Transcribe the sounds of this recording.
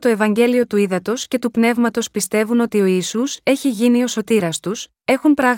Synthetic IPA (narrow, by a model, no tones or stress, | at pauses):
t̪o̞e̞vɐɲɟe̞lio̞t̪uiðɐt̪o̞sce̞t̪upne̞vmɐt̪o̞spist̪e̞vuno̞t̪io̞iːsuse̞çiʝinio̞so̞t̪iɾɐst̪us | e̞xunpɾɐɣ